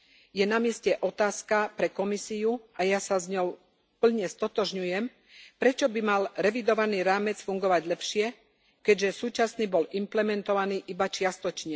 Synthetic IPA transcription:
jɛnamɪɛscɛʔɔt̪aːskapɾɛkɔmisiuajasazɲɔʊ | pl̩ɲɛst̪ɔt̪ɔʒɲujɛm | pɾɛt͡ʃɔbimalɾɛʋid̪ɔʋaniːɾaːmɛt͡sfuŋɡɔʋaɟlɛpʃɪɛ | kɛɟʒɛsuːt͡ʃasniːbɔlimplɛmɛnt̪ɔʋaniːʔibat͡ʃɪast̪ɔt͡ʃɲɛ

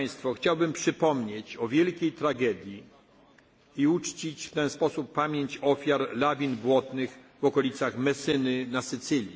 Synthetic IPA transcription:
j̃st̪fɔxt͡ɕawbɘmpʂɘpɔmɲet͡ɕɔvʲjɛlkʲejt̪ɾaɡɛd̪ʲji | iut͡ʂt͡ɕit͡ɕft̪ɛnspɔsupːamʲjeɲt͡ɕɔfʲjaɾlavʲinbwɔt̪nɘxvɔkɔlʲit̪saxmɛsɘnɘnasɘt̪sɘlʲi

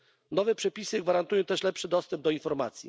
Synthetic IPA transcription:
nɔvɛpʂɛpʲisɘɡvaɾant̪ujɔ̃t̪ɛʂlɛpʂɘd̪ɔst̪ɛmb̚d̪ɔinfɔɾma̰t̪sʲjḭ

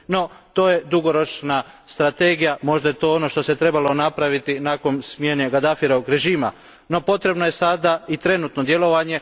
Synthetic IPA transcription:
no̞t̪o̞ːje̞d̪uɡo̞ɾo̞t͡ʃna | st̪ɾat̪eːɡijamo̞ʒd̪ajet̪oːono̞ʃt̪o̞set̪ɾe̞balo̞napɾaʋit̪inako̞nsmje̞ne̞ɡad̪afiɾoʋoɡɾe̞ʒiːma̰ | no̞po̞t̪ɾe̞bnoje̞sad̪ait̪ɾe̞nuːt̪no̞d̪je̞lo̞ʋaɲe̞

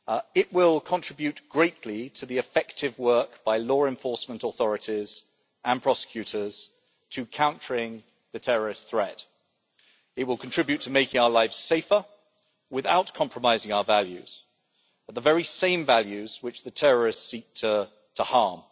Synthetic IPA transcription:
ɪʔ̚wɪlˠkʰə̃ntʰɹ̥ɪbjʉtɡ̥ɹeɪʔlitʰəðiɨfɛk̚tɪvwɜˑ˞kb̥aɪlɔːɹɛ̃ɱfɔɹsmə̃ntɔθɔɹɨtiz | ə̃npʰɹ̥ɑsɪ̥kʰj̥ʉɾəz̥ | tʰɨkʰãʊ̃nt͡ʃəɹɪ̃ŋ | ðɨtʰɛɹə˞ɪstθɹɛt | ɨt̚wɪlˠkʰə̃ntɹ̥ɪbjʉtʰəmeɪkɪ̃ŋaʊəlaɪfseɪfə | wɪða̰ʊtkʰɒ̃mpʰɹəmaɪzɪ̃ŋaʊəvaljʉ̰z̥ | ət̪̚ðəvɛɹisẽɪ̃ɱvæljʉz̥wɨt͡ʃðɨtʰɛɹə˞ɪstsik̚tʰə | tʰəhɑːm

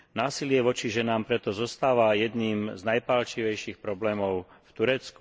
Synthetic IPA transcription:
naːsilɪɛʋɔt͡ʃiʒɛnaːmpɾɛt̪ɔzɔst̪aːʋajɛd̪niːmznajpalt͡ʃiʋɛjʃiːxpɾɔblɛːmɔʊ | ft̪uɾɛt͡sku̥

